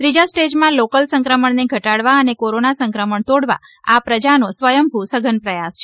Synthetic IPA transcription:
t̪ɾid͡ʒasʈed͡ʒmãlokəlsəŋkɾəməɳneɡʱəʈaɽʋaənekoɾonasəŋkɾəməɳt̪oɽʋa̰ | apɾəd͡ʒanosʋəjəmbʱusəɡʱənpɾəjast͡ʃʰe̥

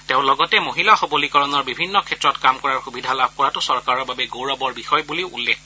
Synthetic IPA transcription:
tẽʊ̃lɔɡɔtɛmoɦilaxɔbolikɔɹɔnɔɹbibʱinːɔkʰɛtɹɔtkamkɔɹaɹxubidʱalab̚ʱkɔɹatʊsɔɹkaɹɔɹbabɛɡowɹɔbɔɹbixɔjbuliʊʔulːekʰ

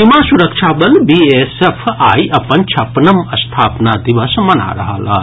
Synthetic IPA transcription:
imaːsʊɾəkʃaːbɐlbiːesepʰaːiʔɐpənt͡ʃʰɐpnəmɐst̪ʰaːpnad̪ɪʋəsmɐna̰ɾɐ̰ɦa̰la̰ː

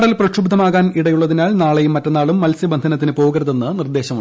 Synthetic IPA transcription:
ɽɐlprɐʂubd̪ʱɐmaːɣaːniɽɐjuɭːɐðinaːɭnaːɭejumːɐtːɐnːaːɭumːɐlsibɐnd̪ʱɐnɐt̪ːinɨpoːɣɐɾɐðenːɨnird̪e̞ːɕɐmuɳ

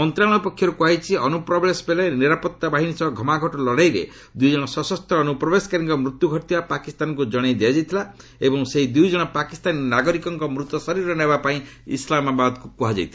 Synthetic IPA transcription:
mɔnt̪ɾaɽ̃ɔpɔkʰːjɔɾukuaɦit͡ʃʰiɔnupɾɔblesɔ̥pelaniɾapɔt̪ːabaɦinisɔbɔɡʱɔmaɡʱɔʈɔlɔɽajɾḛ | d̪ujd͡ʒɔɽ̃ɔsɔsɔst̪ʰɔːnupɾɔbeskaɾiŋkɔmɾut̪juɡʱɔʈt̪ibapakist̪anɔŋkud͡ʒɔɽ̃ejd̪iad͡ʒajt̪ʰila | ebɔŋseɦid̪ujd͡ʒɔɽ̃ɔpakist̪aninaɡɔɾikɔŋkɔmɾut̪ɔsɔɾiɾɔnebapaĩḭslamabad̪ɔkukuɦad͡ʒa̰jt̪ʰila

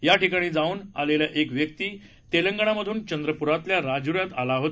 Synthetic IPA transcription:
jaʈikaɽ̃iːd͡zauːna̰leljaʔekʋjək̚t̪iː | t̪eləŋɡəɳ̃aməd̪ʱuːnt͡ɕənd̪ɾəpuɾat̪ljaɾad͡zuɾjat̪alaɦot̪

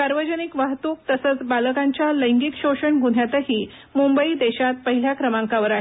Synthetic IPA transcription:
saɾʋəd͡ʑənikʋaɦt̪uk̚t̪əsət͡sbaləkaɲt͡ɕjaləjŋɡikɕoɕəɳɡun̤jat̪əɦiː | mumbəid̪eɕat̪̚pəɦil̤jakɾəmãŋkaʋəɾaɦe

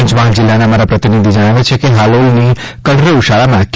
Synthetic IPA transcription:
t͡ʃbãɦd͡ʒɪlːaneəmaɾapɾət̪inid̪ʱid͡ʒəɽ̃aʋet͡ʃʰekeɦaloinikəɽɾeuʃaɭamãkʰ

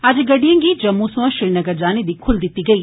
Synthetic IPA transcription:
ad͡ʒɡɐɖijɐ̃ŋɡid͡ʒɐmːusʋãʃɪɾnɐɡəɾd͡ʒaːned̪iːkʰʊld̪ɪt̪ːiɡɐiː

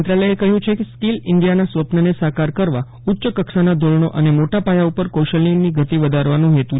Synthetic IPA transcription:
nt̪ɾaləjekəɦjũt͡ʃʰekeskilɪɳɖijanasʋəpnənesakaɾkəɾʋa | ʊtːʃəkəksanad̪ʱoɭɳoʔənemoʈapajaupəɾkoʃəlːinniɡʱət̪iʋəd̪ʱaɾʋanũɦet̪ũ

